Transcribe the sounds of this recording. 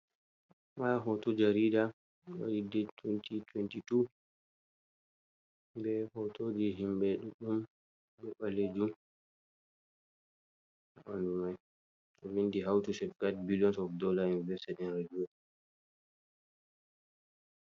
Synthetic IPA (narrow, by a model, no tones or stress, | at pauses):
maɦɔtɔd͡ʒaɾida | ɗa̰lidɛtʰwɛntitwɛntitu | bɛhɔtʰoːd͡ʒiɦimbɛɗuɗum | bɛɓaled͡ʒum | aʔɔndumaj | tɔwindiɦawtusɛfkat̚biliɔnsɔfdɔlaunivɛɾstɛdɛnɾad͡ʒiɔ